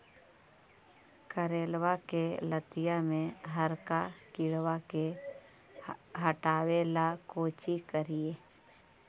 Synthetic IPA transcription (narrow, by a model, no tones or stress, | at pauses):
kəɾeːlwakelət̪ɪjamẽɦəɾkakɪɽwake | ɦəʈaːwelakoːt͡ʃikəɾieː